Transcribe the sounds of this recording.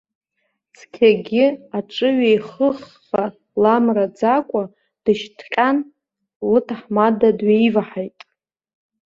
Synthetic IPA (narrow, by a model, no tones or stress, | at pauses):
t͡sʰkʲʰaɡʲɪaʈ͡ʂʼɨɥejχəχːa | lamrad͡zakʷʼa | d̥ɨʃtʰqʲʼan | lɨtʰaħmadadɥejivaħajtʼ